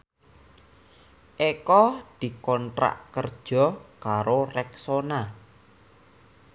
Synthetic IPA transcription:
ʔekɔd̪̥i̤kɔntɾa̰ʔkərd̥ʒ̥ɔ̤kaɾorɛksona

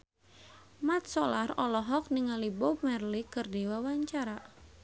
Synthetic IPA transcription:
mat̪̚sɔlarɔlɔɦɔk̚niŋalibɔp̚mɛrlikɨrdiwawaɲt͡ʃaɾa

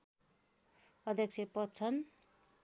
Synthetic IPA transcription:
ʌd̪ʱjʌk̚t͡sʰepʌt͡sʰʌn

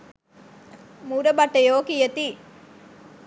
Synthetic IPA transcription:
muɾɐbɐʈːɐjoːkijɐt̪i

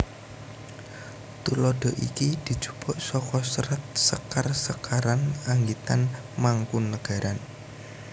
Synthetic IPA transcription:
t̪ulɔɖ̥ɔ̤ʔḭkid̪̥i̤̥d͡ʒ̥ṳ̥b̥ɔʔsɔkɔsəɾət̪̚səkarsəkaɾanaŋɡit̪an | maŋkunːəɡ̥a̤ɾan

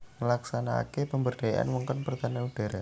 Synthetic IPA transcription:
ŋəlaksana̰kepəmbərɖ̥ajaʔa̰nwɔŋkɔnpərt̪anaud̥a̤ɾa

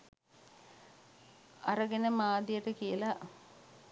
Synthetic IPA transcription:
ɐɾəɡenəmaːd̪ijəʈəkijəla

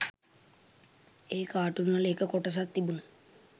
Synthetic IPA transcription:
eːkaːʈːunːaleːkːəkoʈːɐs̬ak̚t̪ibunu

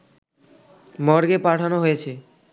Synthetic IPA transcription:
mɔɾɡepaʈʰanoɦojet͡ɕʰe

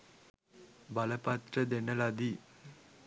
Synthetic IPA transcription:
bɐləpɐt̪rəd̪enəlad̪i

